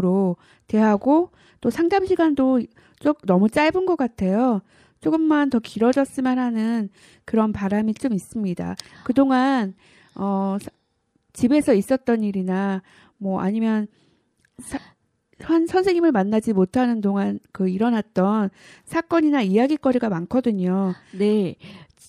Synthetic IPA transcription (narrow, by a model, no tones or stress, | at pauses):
ɾo | te̞ɦaɡo | t͈osʰaŋdamɕʰiɡando | t͡ɕ͈ok̚nʌmut͡ɕ͈aɭbɯnɡʌk͈atʰe̞jo | t͡ɕ͈oɡɯmːantʌkiɾʌd͡ʑʌs͈ɯmjanɦanɯn | kɯɾʌnpaɾamit͡ɕ͈omis͈ɯmɲida̰kɯdoŋan | ʌsʰ | t͡ɕibe̞sʰʌis͈ʌt̚t͈ʌniɾina | mwʌʔa̰ɲimjʌn | sʰ | ʌnsʰʌnsʰe̞ŋɲimɯɭmanːad͡ʑimotʰanɯndoŋankɯiɾʌnat̚t͈ʌnsʰak͈ʌɲinaijaɡik͈ʌɾiɡamankʰʌdɯɲone̞